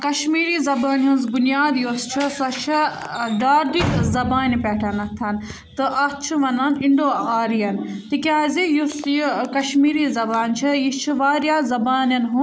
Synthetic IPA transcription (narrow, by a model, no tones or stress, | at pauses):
kɐʃmiːɾiːzɐbaːnũnzbunjaːd̪joːst͡ʃʰisɐt͡ʃʰi | ɖaːɾɖ̪ikzɐbaːnipʲɛːʈʰɐnɐt̪ʰːɐn | t̪ɨʔɐt͡ʃʰiʋɐnaːniɳɖoːaːɾijɐnt̪ikʲaːzijust̪jkɐʃmiːɾiːzɐbaːnt͡ʃʰijit͡ʃʰiʋaːɾjaːzɐbaːnjɐnɦũ